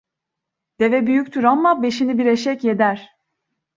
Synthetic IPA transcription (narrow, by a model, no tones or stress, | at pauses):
d̪̥e̞vɛbyjycʲt̪ʰyɾanmabe̞ʃinibiɾeʃɛcje̞d̪æɾ̥